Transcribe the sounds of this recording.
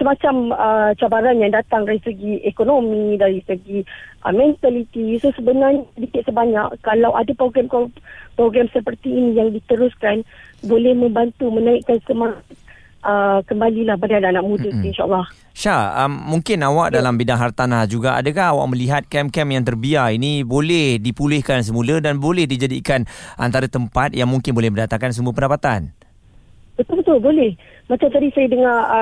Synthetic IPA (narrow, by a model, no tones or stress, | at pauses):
səmat͡ʃamət͡ʃabaɾanjaŋdat̪aŋrɛsəɡiʔɛkonomĩdaɾisəɡiʔə̰mɛ̃nt̪alit̪isosəbənarɲədikɪt̪̚səbaɲaʔkːalawʔadapɾoɡɾɛmkpɾoɡɾɛmsəpərt̪iːnĩjaŋdit̪əɾuskanbolɛhmə̃mbant̪umə̃naiʔkansəma | ʔəkəmbalilahbadaannaʔmudəsinʃa̰ʔa̰lˠːah | ʃaəmːũŋkɪnawaʔ̚dalambidaŋɦart̪anahd͡ʒuɡaa̰dəkaɦawa̰ʔmə̃liɦat̪̚kɛmkɛmjaŋt̪ərbiarinĩbolɛhdipulɪhkans̬əmũlədanbolɛhdid͡ʒadḭkanʔa̰nt̪aɾat̪əmpat̪̚jaŋmũŋkɪnbolɛhməndat̪aŋkans̬əmuapəndapat̪an | b̥ət̪ʊlbət̪ʊlbolɛh | mat͡ʃamt̪adisajədəŋa